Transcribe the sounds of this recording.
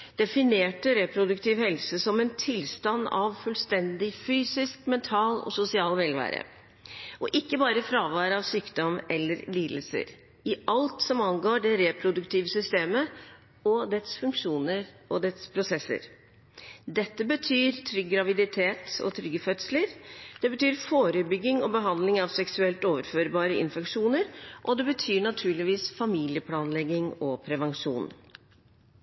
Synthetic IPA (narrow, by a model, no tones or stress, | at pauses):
d̪̥ɛfɪneːʈəɾɛpʰɾʊd̪ʉkt̪ʰiːʋhɛlsəsɔmɛnt̪ʰɪlst̪ɑnd̪ɑ̰ʋfʉlst̪ɛnd̪ɪfyːsɪskmɛnt̪ʰɑːlɔ̰sʊsɪɑːlʋɛːlʋæ̰ːɾə̰ | ʔɔʔɪkːəbɑːɾəfɾɑːʋɑːɾəɑʋsyːkd̪ɔmɛlːəɾliːd̪lsə̰ɾ | ɪʔɑlt̪sɔmɑnɡoːɖɛɾɛpʰɾʊd̪ʉkt̪ʰiːʋəsʏst̪eːmə | ɔd̪ɛt̪sfʉŋkʂuːnəɾ | ɔd̪ɛt̪spʰɾʊsɛsːə̰ɾ | d̪ɛt̪ːəbət̪ʰyːɾt̪ʰɾʏɡːɾɑʋɪd̪ɪt̪ʰeːt̪ɔ̰t̪ʰɾʏɡːəfœt̪sləɾd̪̥ɛbət̪ʰyːɾfoːɾəbʏɡːɪŋɔbəɦɑnd̪lɪŋɑʋsɛksʉɛlt̪oːʋəɾføːɾbɑːɾəɪ̰nfɛkʂuːnəɾʔɔd̪ɛbət̪ʰyːɳɑt̪ʰʉːɭɪʋiːsfɑmiːlɪəpʰlɑːnlɛɡːɪŋɔpʰɾɛʋɑŋʂṵːn